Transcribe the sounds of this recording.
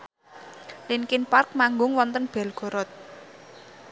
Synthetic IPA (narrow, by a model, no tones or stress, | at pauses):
linkɪnpark̚maŋɡʊŋwɔnt̪ənb̥ɛ̤lɡ̥o̤ɾɔt̪̚